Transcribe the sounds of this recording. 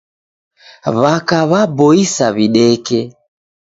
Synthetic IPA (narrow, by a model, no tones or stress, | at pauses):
βakaβabɔisaβiɗɛkɛ